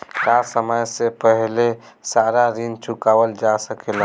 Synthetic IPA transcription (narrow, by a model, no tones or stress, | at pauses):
ɾasəməjsepəɦle | saɾaɾint͡ʃʰukaʋəld͡ʒasəkelə̃